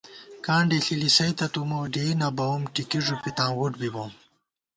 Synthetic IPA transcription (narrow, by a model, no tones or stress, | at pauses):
kãːɳɖiɬilisɐjt̪ɐt̪umuwɖenɐbɐumʈikiʐupit̪ãːwuʈbibom